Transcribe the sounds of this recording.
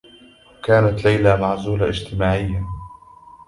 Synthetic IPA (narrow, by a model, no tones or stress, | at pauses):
kaːnat̪lajlamaʕzuːlaʔɪd͡ʒt̪ɪmaːʕɪjːa